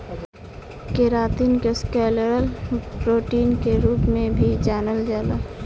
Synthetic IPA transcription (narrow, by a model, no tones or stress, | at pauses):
keɾaːt̪iːnkeskɛːləɾəlpɾoːʈiːnkeɾuːpmẽbʱid͡ʒaːnəld͡ʒaːlo